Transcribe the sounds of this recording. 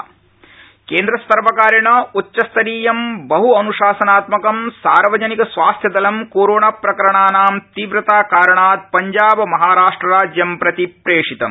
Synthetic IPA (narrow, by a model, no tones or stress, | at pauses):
keːnd̪ɾɐst̪ɐɾʋɐkaːɾɐɳɐutːʃɐst̪ʰɐɾiːjɐmbɐɦuɐnuʂaːsɐnaːt̪mɐkɐmsa̰ːɾʋɐd͡ʒɐnikɐsʋaːst̪ʰjɐd̪ɐlɐmkoːɾoːɳapɾɐkɐɾɐɳaːnaːmt̪iːʋɾɐt̪aːkaːɾɐɳaːd̪̚pɐɲd͡ʒaːbɐmɐɦaːɾaːʂʈɾɐɾaːd͡ʒjɐmpɾɐt̪ipɾeːʂit̪ɐ̰m